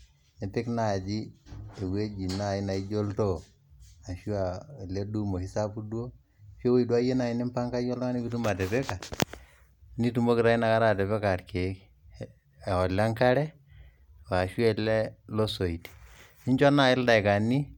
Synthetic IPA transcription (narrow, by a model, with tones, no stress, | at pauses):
ne˨tɪ˦kna˨d͡ʒi˦e˨we˦d͡ʒi˨na˦˨ɪ˦na˨i˦d͡ʒo˦ltɔ˦˨ | a˨ʃu˦a˨lɛ˦du˦mo˨hɪ˦sa˦pu˦du˦o˦ | fo˦wo˦i˨du˦a˦je˦na˨ɪ˦nɪ˦mpa˦ŋka˦jɔ˦lɔ˦ŋa˦ni˦ki˦tu˦ma˨tɛ˨pɛ˦ka˨ | ni˦tu˦mo˦kɪ˨ɾa˨˦ɪ˦na˨ka˦ɾa˦˨tɛ˨pɛ˦ka˨tke˨˦kː | ɔ˨la˦ŋka˦ɾɛ˦ | wa˨ʃu˦ɛ˦lɛ˦lo˦so˨i˨ti̥˨nɪ˦ɲt͡ʃɔ˦na˨ɪ˦lda˨ka˨ni˦